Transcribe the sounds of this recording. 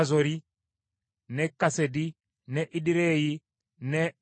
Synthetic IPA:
zoɾi | nɛkːasedi | nɛʔiɗiɾeji | nɛ

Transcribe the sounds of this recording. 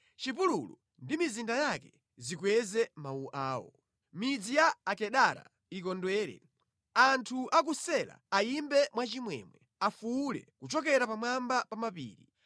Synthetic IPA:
t͡ʃip̬ululṵ | ndimizindajakɛ | zikwɛzɛmauʔaːwɔ̰ | mid͡zijaːkɛɗaɾa̰ | ik̬ɔndwɛːɾɛ̰ | antʰuʔak̬usɛla̰ːimbɛmwat͡ʃimwɛ̰mwɛ | afuːlɛ̰kut͡ʃɔk̬ɛɾapamwambapamapḭːɾi

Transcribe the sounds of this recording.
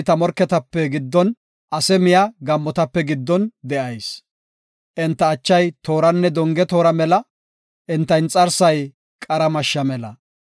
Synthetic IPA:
t̪ɐmɔɾkːɛt̪ɐpːɛɡɪd̪ːɔn | ʔɐsɛmɪjɐɡɐmːɔt̪ɐpːɛɡɪd̪ːɔnd̪ɛʔɐjs | ʔɪnt̪ːɐːt͡ʃːɐjt̪o̞ːɾɐnːɛd̪ɔŋɡɛt̪o̞ːɾɐmɛlɐ | ʔɪnt̪ːɐjnt͡sʼɐɾsɐj | kʼɐɾɐmɐʃːɐmɛlɐ̰

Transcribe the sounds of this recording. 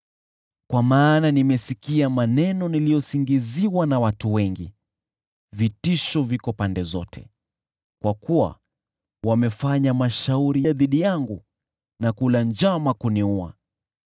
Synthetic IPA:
kwamaːnanimɛsikiamanɛnɔnilijɔsiŋɡiziwanawatuwɛŋɡḭ | vitiʃɔvikɔpandɛzɔtʰɛ̰ | kwakuwa̰ | wamɛfaɲamaʃauɾiðiɗijaŋɡu | nakuland͡ʒamakuniua̰

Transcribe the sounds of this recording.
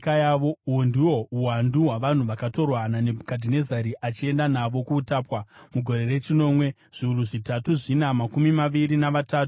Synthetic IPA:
kajaʋouondiwo̞uwanduɦwaʋan̤uʋakato̞rwanane̞bʱkadʱine̞zaɾiʔat͡ʃie̞ndanaʋo̞kuːtaːpwamuɡʱo̞ɾe̞re̞t͡ʃino̞ːmwe̞ | ʐ̥iuruʐitatuʐinamakumimaʋiɾinaʋataːtu

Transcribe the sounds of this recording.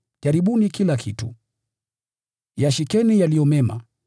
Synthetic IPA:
ʄaɾiɓunikilakʰitṵ | jaʃikɛnijalijɔmɛma̰

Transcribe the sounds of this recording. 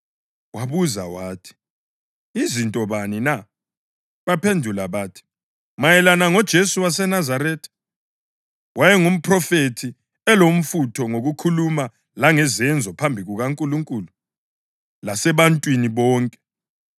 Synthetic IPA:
waβuza̰waːtʰi̥ | izintʼɔβanina | βapʰendʱulaβatʰi̥ | majɛlanaŋɔd̥ʒ̥ʱesuwas̬ɛnazaɾɛːtʰḁ | wajɛŋum̩pʰrɔfetʰi | ɛlom̩futʰɔŋoɣukʰuluma | laŋɛzɛnd͡zʱɔpʰambʱiɣuɣaŋkʼuluŋkʼuːlu | lasɛβantʼwiniβɔːŋkʼɛ̥

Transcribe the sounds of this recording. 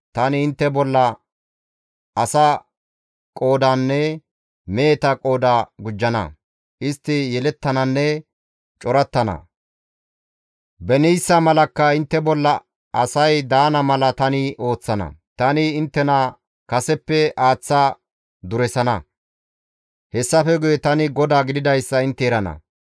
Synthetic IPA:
t̪ɐnɪːnt̪ːɛbɔlːɐ | ʔɐsɐ | kʼo̞ːd̪anːɛ | meːt̪ɐkʼo̞ːd̪aɡʊd͡ʒːɐnɐ̰ | ʔɪst̪ːɪjɛlɛt̪ːɐnɐnːɛ | t͡ʃʼɔɾɐt̪ːɐnɐ̰ | bɛnɪjsːɐmɐlɐkːɐɪnt̪ːɛbɔlːɐ | ɐsɐjd̪aːnɐmɐlɐt̪ɐnɪo̞ːt͡sːɐnɐ̰t̪ɐnɪːnt̪ːɛnɐ | kɐsɛpːɛaːt͡sːaː | d̪ʊɾɛsɐnɐ̰ | hɛsːɐfɛɡʊjɛt̪ɐnɪɡɔd̪aːɡɪd̪ɪd̪ɐjsːɐɪnt̪ːɛɾɐnɐ̰

